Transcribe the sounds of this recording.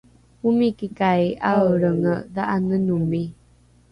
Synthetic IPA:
umikikajaəɾəŋdaʔanənumi

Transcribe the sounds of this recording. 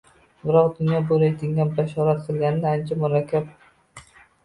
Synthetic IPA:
bɪɾɒqd̪ʊnjɒboɾajd̪ɪŋɡʲanbaʃɒɾat̪̚qʰɨlˠɡʲanɪd̪aant͡ʃʰamʊɾakʲʰːap̚

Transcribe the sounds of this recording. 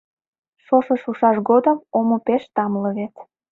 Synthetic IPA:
ʃoʃəʃuʃɑʃɡod̪əmomopeʃt̪ɑmləβet̪

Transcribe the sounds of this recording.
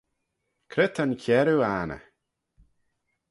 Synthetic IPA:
kʰɾɪt̪ʰənkʰɛɾuaːnə̰

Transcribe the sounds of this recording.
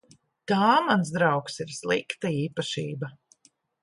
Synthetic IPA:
t̪aːmansd̪ɾawksiɾslˠikt̪aiːpaʃiːba

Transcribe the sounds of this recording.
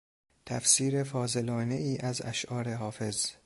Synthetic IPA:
t̪ʰæfsiːɾefɒːze̞lɒːne̞iːʔæzæ̰ʃʔɒːɾeɦɒːfe̞z

